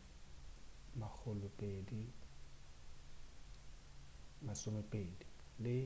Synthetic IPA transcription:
mak͡xʰʊlʊpʼedi | masʊmɛpʼeːdi | lɪ

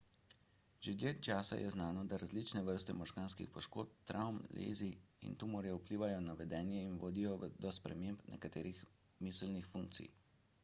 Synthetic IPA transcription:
ʒed̪jet̪̚t͡ʃaːsa̰jʔɛ̰znaːnɔd̪aɾazlit͡ʃnɛʋəɾst̪ɛmɔʒɡaːnskḭxpɔʃko̰ːt̪̚t̪ːɾʔawmlḛːziḭnt̪umɔɾjɛupliːʋajɔnaʋɛd̪ɛːnjɛinʋoːd̪ijɔd̪ɔspɾɛ̰mempnʔɛ̰kat̪ḛːɾix | mislnixfuŋkt̪sḭj

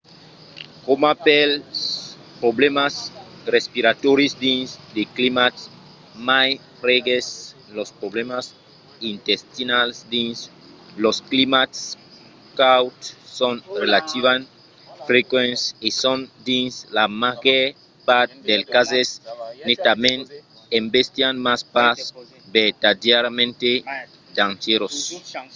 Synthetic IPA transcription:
komapel | pɾoblemasrespiɾat̪oɾjosd̪ĩnsd̪eklimat̪s | maj | ɾeɡes | lospɾoblemas | ĩnt̪est̪inalsd̪ĩns | losklimats | kawt̪ːonrelat̪iβan | fɾekwẽnsisõnd̪ĩnslamaɣeɾ | paɾt̪̚d̪elkazesnit̪amen | embest̪ianmaspas | bet̪ad̪jaɾamẽnt̪e | d̪ãnt͡ʃeɾos

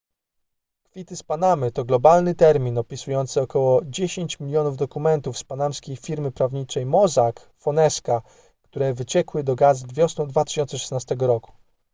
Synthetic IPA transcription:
kfʲit̪ɘspanamɘt̪ɔɡlɔbalnɘt̪ɛɾmʲinɔpʲisujɔnt̪sɘɔkɔwɔd͡ʑeɕeɲt͡ɕmʲilʲjɔnuvd̪ɔkumɛnt̪ufspanamskʲejfʲiɾmɘpɾavɲit͡ʂɛjmɔzak | fɔnɛska | kt̪uɾɛvɘt͡ɕɛkwɘd̪ɔɡazvvʲjɔsnɔd̪vat̪ɘ̥ɕɔnt̪sɛʂɛ̥snast̪ɛɡɔɾɔku̥

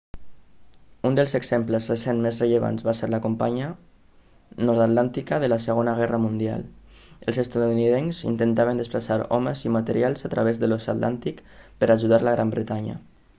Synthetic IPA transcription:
und̪əlˠzəɡz̥empləzresenmezrəʎəβa̰nzβaseɾləkompaɲə | nɔɾt̪at̪lant̪ikəðələsəɣonəɣ̞ɛrəmund̪ia̰l | əlˠzəst̪aðuniðenzḭnt̪ənt̪aβənd̪əsplasaɾɔ̰məzimat̪əɾialˠzat̪ɾaβ̞ezðəlɔsat̪lʔa̰nt̪ikpəɾaʒuðaɾləɣɾambɾət̪aɲə̰

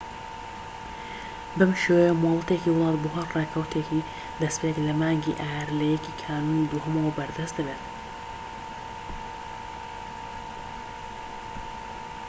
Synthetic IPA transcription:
bɨmʃewɛjɛmɑːlˠɨt̪ekiːwʊlˠɑːt̪̚buɦaɾreːkʰɐwt̪ʰekʰi | d̪ɐspʰejɛklɐmaːŋɡḭʔaːɛɾlɛjɛkiːkʰaːnuːnid̪uɦumɐwɐbɐɾd̪ɐst̪d̪ɨbeːt̪

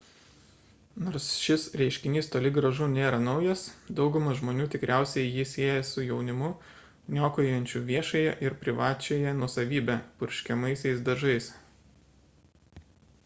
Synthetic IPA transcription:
noːɾsʃʲɪsɾʲɛɪʃʲkʲɪnʲiːst̪oːlʲɪɡɾɐʒuːnʲeːɾɐnɒʊjɛsd̪ɒʊɡʊmɐʒmoːnʲuːt̪ʲɪkɾʲʔæˑʊsʲɛɪjɪsʲeːɛjɛsʊjɛʊnʲɪmʊ | nʲoːkoːjɛnʲt͡ʃʲuʋʲiɛʃɐjɛʔɪɾpʲɾʲɪʋɑːt͡ʃʲɛjɛnuɔsɐʋʲiːbʲɛpʊɾʲʃʲkʲɛmɐɪsʲɛɪsd̪ɐʒɐɪs

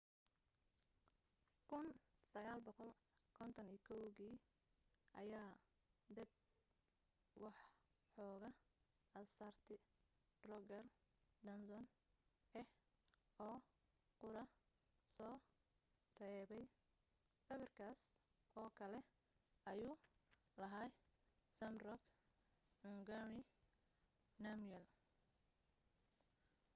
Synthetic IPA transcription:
kʰʊnsɐɣaːlbɔqɔl | kʰɔnt̪ʰɐniːkʰɔwɣiː | ʔɐjaː | d̪ɐb̚ | wɑħ | ħɔːɣɐ | ʔɐsɐrt̪ʰɪ | rɔɡɐrd̪ɐnsɔn | ɛh | ɔː | qʊɾɐ | sɔː | rɛːβɛj | sɐβɪrkʰaːs | ɔːkʰɐlɛ | ɐjuːlɐɦajsɐmrɔk | ŋɡɐnɪ | nɐmjɛl

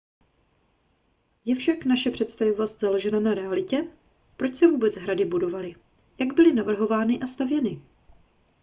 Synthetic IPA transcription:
jɛfʃaknaʃɛpr̝̥ɛt̪st̪avovost̪zalo̞ʒɛnanaɾɛalɪcɛ | pɾo̞t͡ʃsɛvuːbɛt͡sɦɾadɪbudo̞valɪ | jaɡbɪlɪnavr̩ɦo̞vaːnɪʔast̪avjɛnɪ

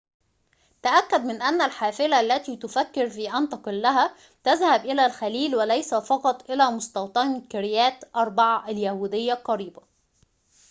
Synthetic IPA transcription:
t̪aʔækːæd̪mɪnʔænːælħaːfɪlælːæt̪iːt̪ʊfækːɪɾfiːʔɑnt̪ɑqɪlːæɦæ | t̪æzhæbʔɪlæːlxæliːlwælæjsæfɑqɑt̪ˤʔɪlæːmʊst̪ɑwt̪ˤɑnkɪɾɪjæːt̪ʔɑɾˤbɑʕaʔaljæhuːd̪ɪjːaqɑɾiːba

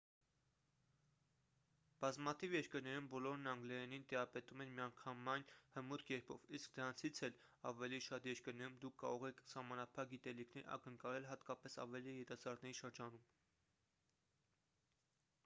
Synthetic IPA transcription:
b̥ɑzmɑt̪ʰivjɛɾkəɾnɛɾumbɔlɔɾnɑŋɡlɛɛnint̪ɛɾɑpɛt̪umɛnmijɑŋkʰɑmɑjnhəmut̪ʰkɛɾpʰɔ̰viskd̪əɾɑnt͡sʰit͡sʰɛl | ɑ̰vɛliʃɑt̪jɛɾkəɾnɛɾumd̪ukʰːɑ̰ɾɔʁɛkʰsɑhmɑnɑpʰɑk̚ɡit̪ɛlikʰnɛ̰ɾɑ̰kəŋkɑlɛlɦɑt̪kɑpɛsɑ̰vɛlijɛt̪ɑsɑɾnɛɾiʃəɾd͡ʒɑnum

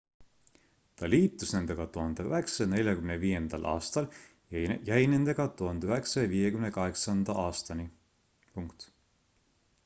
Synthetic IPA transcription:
t̪ɑliːt̪ːˑusne̞nd̪e̞ɡ̥ɑt̪uhɑnd̪eyɦeksene̞lʲjɑkymneviːje̞nd̪̥ɑlʔɑ̰ːst̪ɑl | jæjne̞nd̪̥e̞ɡ̥ɑt̪uhɑnd̪eyheksɑɑviːjekymnekɑɦeksɑnd̪̥ɑʔɑːst̪ɑni | puŋkt̪

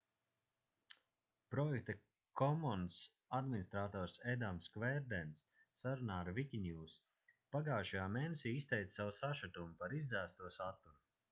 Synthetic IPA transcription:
pɾɔjɛk̚t̪a | kʰɔmɔns | ad̪minist̪ɾaːt̪ɔːɾsɛd̪amskvɛɾd̪ɛnsː | aɾunaːɾvikʲinʲjuːs | paɡaːʃajaːmeːnesʲiːist̪ɛjt̪sawusaʃat̪umupaɾizd̪zæːst̪uɔsat̪ːuɾu

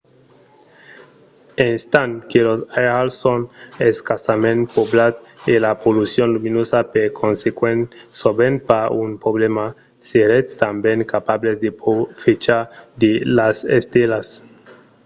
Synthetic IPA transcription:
enst̪ankelosajalsoneskasamẽn̚poblad̪elapolusjonluminosapeɾkʰonsekwensoβenpaunpoβlema | seɾet̪st̪ambjeŋkapaβlezd̪eofet͡ʃad̪elasest̪elas

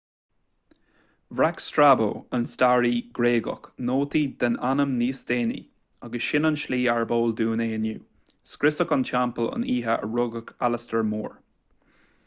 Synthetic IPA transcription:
vɹakstɹaːbo̰ːənstaːɹiːɡɾeːɡə̰knoːt̪iːd̪ənanəmniːsd̪eːnḭ | aɡəsʃɪnənʃliːaɹboːld̪uːneːənuː | skɾɪsəkənʃampələ̰niːɦəə̰ɹʊɡəkʰaləstəɹmuːɹ

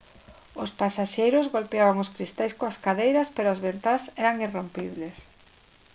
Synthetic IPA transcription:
ʊspasaʃejɾʊzɣolpeaβaŋoskɾist̪ajskoaskaðejɾɐspeɾoazβent̪asɛɾaŋirompiβles

